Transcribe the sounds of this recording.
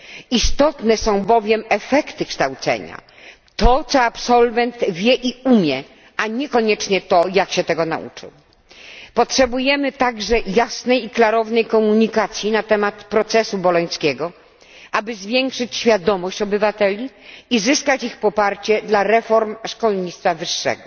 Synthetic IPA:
ist̪ɔt̪nɛsɔ̃w̃bɔvʲjɛmɛfɛkt̪ɘkʂt̪awt̪sɛ̰ɲa̰ | t̪ɔt̪sɔapsɔlvɛnt̪vʲjɛʔiumʲjɛ | aɲɛkɔɲɛt͡ʂɲɛt̪ɔjakɕɛt̪ɛɡɔna̰ʔṵt͡ʂɘ̰w | pɔtʂɛbujɛmɘt̪aɡʐɛjasnɛjiklaɾɔvnɛjkɔmuɲikat̪sʲjinat̪ɛmat̪pɾɔt̪sɛsubɔlɔɲ̃skʲɛɡɔ | ʔabɘzvʲjɛŋkʂɘt͡ɕɕfʲjad̪ɔmɔɕt͡ɕɔbɘvat̪ɛlʲiizɘskat͡ɕixpɔpaɾt͡ɕɛd̪laɾɛfɔɾmʂkɔlɲit̪st̪favɘʂːɛ̰ɡɔ

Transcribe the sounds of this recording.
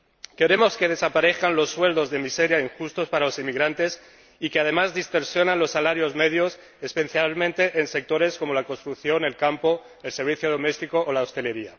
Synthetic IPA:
ke̞ɾe̞mo̞ske̞ð̞e̞sapaɾe̞θkanlo̞sːwe̞ld̪o̞zðe̞mise̞ɾjaiŋxust̪o̞spaɾalo̞simiɣɾant̪e̞s | ikeað̞e̞mazðist̪o̞ɾsjo̞nanlo̞sːalaɾjo̞zme̞ðjo̞s | espe̞θjalmẽ̞nt̪e̞ʔense̞k̚t̪o̞ɾe̞sko̞mo̞lakonst̪ɾukθjo̞ne̞lkampo̞ | else̞ɾβ̞iθjoð̞o̞mest̪iko̞ʔolaost̪e̞le̞ɾia

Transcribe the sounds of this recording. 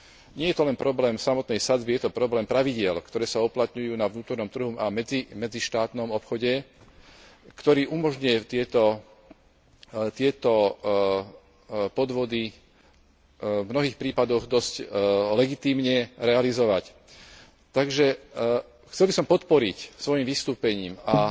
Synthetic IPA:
ɲɪɛjɛt̪ɔlɛnpɾɔblɛːmsamɔt̪nɛjsad͡zbijɛt̪ɔpɾɔblɛːmpɾaʋiɟɪɛlkt̪ɔɾɛːsauplat̪ɲujuːnaʋnuːt̪ɔɾnɔmt̪ɾr̩ɦumamɛd͡zimɛd͡ziʃt̪aːt̪nɔmɔpxɔɟɛ | kt̪ɔɾiːʔumɔʒɲʊjɛt̪ɪɛt̪ɔ | t̪ɪɛt̪ɔ | pɔd̪ʋɔd̪i | vmnɔɦiːxpɾiːpad̪ɔɣd̪ɔsclɛɡit̪iːmɲɛɾɛalizɔʋac | t̪aɡʒɛ | xt͡sɛlbisɔmpɔt̪pɔɾicsʋɔjimʋist̪uːpɛɲiːma

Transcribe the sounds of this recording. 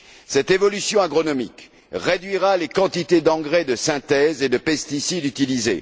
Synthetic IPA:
sɛt̪evɔlysjɔ̃aɡʁɔnɔmik | ʁed̪ɥiʁalekɑ̃t̪it̪ed̪ɑ̃ɡʁed̪əsɛ̃t̪ɛzed̪əpɛst̪isid̪yt̪ilizḛ

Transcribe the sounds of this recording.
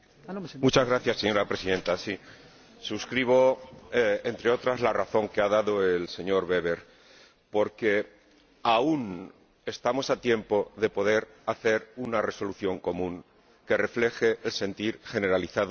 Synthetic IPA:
mut͡ʃazɣɾaθjasːe̞ɲo̞ɾapɾe̞siðe̞nt̪asi | suskɾiβ̞o̞ | ent̪ɾeo̞t̪ɾazlaraθo̞ŋke̞aðaðo̞else̞ɲo̞ɾβe̞β̞e̞ɾ | po̞ɾke̞ | aun | e̞st̪amo̞sat̪je̞mpo̞ðe̞po̞ðe̞ɾ | aθe̞ɾunare̞so̞luθjo̞ŋko̞mũŋ | ke̞re̞fle̞xe̞ʔːlse̞nt̪iɾxe̞ne̞ɾaliθað

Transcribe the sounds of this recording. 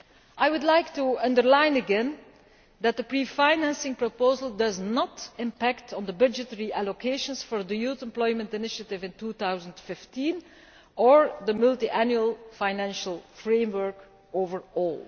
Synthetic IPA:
ʔajwʊdlajktuʌ̃ndəɹlãɪnəɡɛ̃n | d̪æt̚d̪əpɹifaɪnæ̃nsɪ̃ŋpɹopoːzəlˠdʌznətɪ̃mpæktʰn̩d̪əbʌd͡ʒɪtəɹiʔælokʰeɪʃə̃nsfɔɹd̪əjutɛ̃mplɔɪmə̃ntɪnɪʃətɪvɪ̃ntuːθaʊwzə̃ntfɪftĩn | əɹdəmʊlˠtiʔænjuəlˠfaɪnæ̃nʃəlˠfɹẽɪ̃mwə˞k | ovəɹɔːlˠ

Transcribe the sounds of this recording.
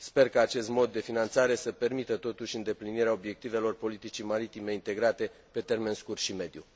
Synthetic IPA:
spe̞rkaːt͡ʃe̞st̪mo̞d̪ːe̞finant̪saɾe̞səpe̞rmit̪ət̪o̞t̪uʃʲɨnd̪e̞pliniɾeaobje̞k̚t̪ive̞lo̞rpo̞lit̪it͡ʃimaɾit̪ime̞int̪e̞ɡɾat̪e̞ | pe̞t̪e̞rme̞nskurt̪ʃime̞d̪ju

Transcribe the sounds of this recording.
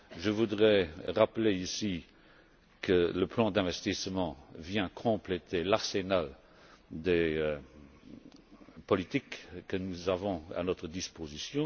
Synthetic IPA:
ʒəvud̪ʁɛʁapleisi | kʰələplɑ̃d̪ɛ̃vɛst̪ismɑ̃vjɛ̃kʰɔ̃plɛt̪ʰelaʁsenal | d̪e | pɔlit̪ikːənuzavɔ̃a̰nɔt̪χəd̪ispozisjɔ̃

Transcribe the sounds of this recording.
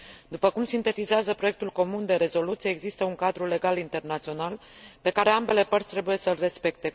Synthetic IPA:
d̪upəkumsint̪e̞t̪izeazəpɾo̞jekt̪ulko̞mund̪e̞ɾe̞zo̞lut̪sijeːɡzist̪əuŋkad̪ɾule̞ɡalint̪e̞rnat̪sio̞nal | pe̞kaɾe̞ambe̞le̞pərt̪sʲt̪ɾe̞buje̞səlre̞spe̞k̚t̪e̞

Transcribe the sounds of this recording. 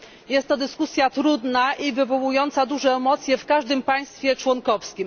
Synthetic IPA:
jɛst̪ːɔd̪ɘskusʲjat̪ɾud̪naʔivɘvɔwujɔnt̪sad̪uʐɛːmɔt̪sʲjɛfkaʐd̪ɘmpaj̃st̪fʲjɛt͡ʂwɔŋkɔfskʲim

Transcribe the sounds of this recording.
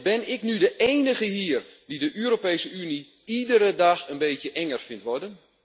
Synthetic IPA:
bɪnɪknydəʔeːnəɣəɦiərdidəʔøəɾopejsəyni | idəɾədaxənbeːtjəʔɛŋərfɪntʋɔdən

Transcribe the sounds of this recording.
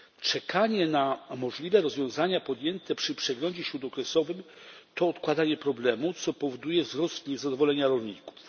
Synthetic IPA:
t͡ʂɛkʰaɲɛnamɔʐlʲivɛɾɔzvʲjɔ̃w̃zaɲapɔd̪jɛnt̪ɛpʂɘpʂɛɡlɔɲd͡ʑɛɕɾud̪ɔkɾɛsɔvɘm | t̪ɔːt̪kwad̪aɲɛpɾɔblɛmut̪sɔpɔvɔd̪ujɛvzɾɔst̪ɲɛzad̪ɔvɔlɛɲaɾɔlʲɲiku̥f

